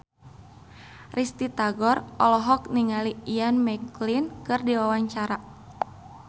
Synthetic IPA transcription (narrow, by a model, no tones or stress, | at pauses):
rist̪it̪aɡɔrʔɔlɔɦɔk̚niŋaliianmɛklinkɨrdiwawaɲt͡ʃaɾa